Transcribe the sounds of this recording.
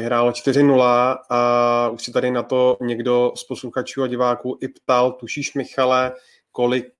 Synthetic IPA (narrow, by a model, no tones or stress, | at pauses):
ɪɦɾaːlot͡ʃt̪ɪɾɪnulaauʃsɛt̪adɪnat̪o̞ɲɛɡdo̞sposluxat͡ʃuːaɟɪvaːkuːʔɪpt̪alt̪uʃiːʃmɪxalɛ | kolɪk̚